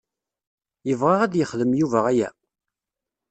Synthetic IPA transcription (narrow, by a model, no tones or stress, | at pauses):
jəvʁaʁæd̪jəχðəmjuvæʁæjæ̰